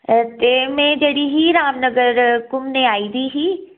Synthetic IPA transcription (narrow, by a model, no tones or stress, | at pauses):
t̪eːmɛ̃ːd͡ʒeːɽiːɦiːɾaːmnəɡəɾkʊmneːaːiːd̪iːɦiː